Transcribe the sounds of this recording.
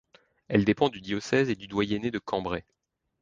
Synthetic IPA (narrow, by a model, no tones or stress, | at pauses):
ɛld̪epɑ̃d̪yd̪jɔsɛzed̪yd̪wajɛned̪əkʰɑ̃bʁɛ